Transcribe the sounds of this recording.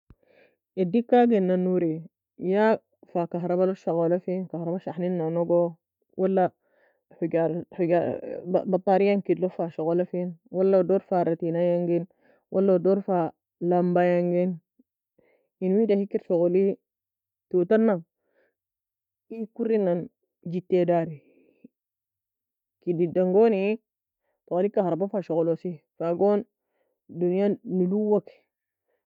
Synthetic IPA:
edikːaɡenːanuɾe | ja | fakaɦɾɐbaloʃaɣolafinkahɾɐbaʃaħninːonɔɡo | wʔalːa | ħuɡaɾuɡabat̪ˤːaɾijaŋkidlofaʃoɣɔlafinwalːadɔɾfaɾat̪inajaŋɡin | wʔalːadɔɾfa | lambajaŋɡin | inwidahikːiɾt͡ʃokoli | tutanːaŋ | ikuɾinan | d͡ʒitːedaɾi | kididaŋɡoni | tokalikːahaɾbafaʃokolosifaɡoːn | dunijaniluwak

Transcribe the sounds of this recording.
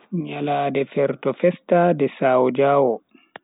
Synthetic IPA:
ɲalaːdɛfɛɾtɔfɛstadɛsaːwɔd͡ʒaːwɔ

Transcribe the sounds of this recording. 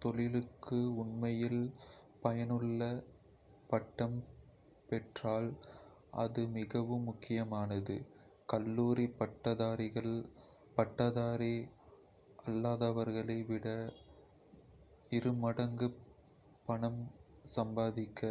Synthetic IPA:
t̪ɔɭɪlɯkːɯʊɳnmɐjɪlpɐjɐnɯɭːɐ | pɐʈːɐm | pɛʈraːl | ʔɐ̰ðɯmɪɣɐʋɯmːʊkːɪjɐmaːnɐðɯ̰ | kɐlːuːɾipɐʈːɐðaːɾɪɣɐɭ | pɐʈːɐðaːɾi | ɐlːaːðɐʋɐɾɣɐɭɐɪʋɪɽɐ | ɪɾɯmɐɽɐŋɡɯ | pːɐɳɐmsɐmbaːðɪkːɐ

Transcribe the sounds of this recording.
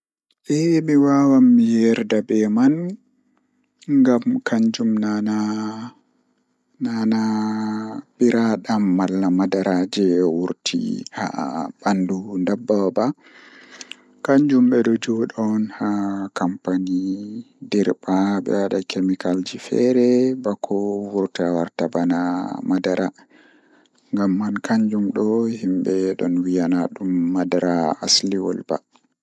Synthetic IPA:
ʔɛmiwawamːijɛɾdabɛman | ŋɡamkʰaɲd͡ʒumnana | nana | ɓiɾaɗamːalːamadaɾad͡ʒɛwuɾtʰḭha̰bandundabːaba | kaɲd͡ʒumɓɛɗɔd͡ʒɔɗɔnhakampani | dɛɾbaɓɛ̰waɗakemikald͡ʒifɛ̰ɾɛbakʰɔwuɾtawaɾtabanamadaɾʔa | ŋɡamːankʰaɲd͡ʒumɗɔhimɓɛɗɔnwijanaɗumːadaɾaasliwɔ̰lba̰

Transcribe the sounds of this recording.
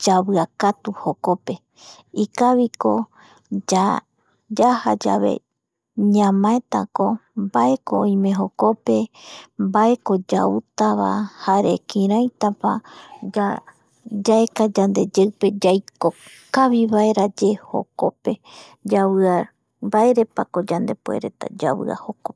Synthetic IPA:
d͡ʒaβɨakat̪uho̞ko̞pe̞ | ikaβiko̞ | d͡ʒa | d͡ʒahad͡ʒa̰βe̞̰ | ɲãmãet̪a̰ko̞mbaʔe̞koõj̃mẽ̞ɦo̞ko̞pe̞mbae̞ko̞d͡ʒaut̪aβa̰haɾḛkĩɾãjt̪apaa | d͡ʒaekad͡ʒand̪e̞d͡ʒewpe̞d͡ʒajko̞kaβiβae̞ɾad͡ʒe̞ho̞̰ko̞pe̞ | d͡ʒaβɨaɾ | mbaeɾe̞pako̞d͡ʒand̪e̞puḛɾe̞t̪a̰d͡ʒaβɨ̰a̰ho̞ko

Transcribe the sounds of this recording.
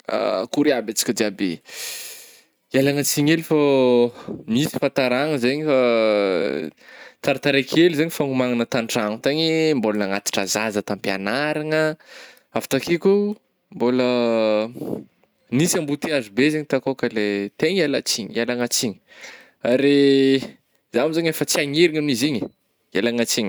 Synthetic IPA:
a̰kuɾiabat͡si̥kʲəd̪iabe | ialaŋat͡siɲelifa | misi̥fant̪aɾaŋəzeɲifa | t͡saɾat̪aɾekʰelizeɲifaŋumaŋanət̪aɳʈ͡ʂaŋut̪aɲimbolənaŋat̪i̥ʈ͡ʂazazət̪ampia̰naɾaŋə | avi̥t̪akiku | mbolə | nisambut̪iazubezeɲit̪akokəlet̪eɲelat͡siɲalaŋat͡siɲə̥ | aɾe | zamizaɲefət͡siaŋeɾiŋaminiziɲi̥ | elaŋat͡siɲi̥

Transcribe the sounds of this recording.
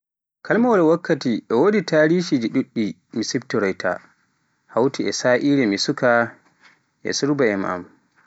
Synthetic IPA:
kʰalmawɔlɛwakːatiʔɛwoditaːɾiʃid͡ʒiɗuɗːi | misiptɔɾɔjtʰa̰ | hawtiɛsaʔiːlɛmisuka | ʔɛ̰suɾbaɛma̰m

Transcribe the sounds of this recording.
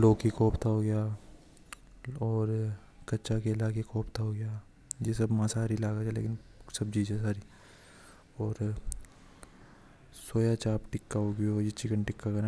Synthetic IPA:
loːkikɔːpt̪ʰaɦoɡɪjaː | ɔːɾ | kɐtːʃakeɪlaːkekɔːpt̪ʰaɦoɡɪja | jesɐbmãsaːɾilaːɡad͡ʒalḛːkɪnsɐb̚d͡ʒiːd͡ʒɛ̃saːɾi | ɔːɾ | soːjat͡ʃaːpʈɪkːaɦoːɡɪojɪt͡ʃikəɳʈɪkːakɐɾ

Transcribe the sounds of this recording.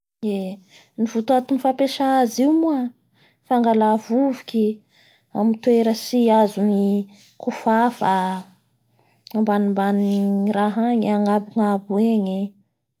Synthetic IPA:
e | nivut̪uat̪unifapeʃaaziumua | faŋɡalavuvi̥kʲi | a̰mit̪weɾəsiazuni | kufafa | ambanimbaniraɦaɲaŋabuŋabueɲe

